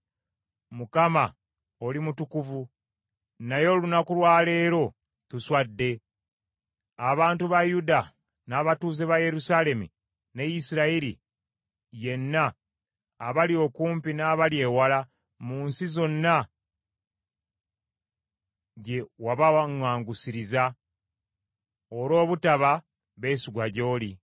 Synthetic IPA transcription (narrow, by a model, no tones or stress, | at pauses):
mukama | o̞limutukuvu | najo̞lunakulwaːle̞ːɾo̞ | tuswadːe̞ | aβaːntuβajuda | naːβatuːze̞βaje̞ɾusale̞mṵ | nejisiɾaiɾḭ | je̞nːaː | βalio̞kuːmpinaːβalje̞ːwala | muːnsizo̞nːa | ɟe̞waβaŋwaːŋɡusiɾiza | olo̞ːβutaβa | βe̞ːsiɡwaɟo̞ːli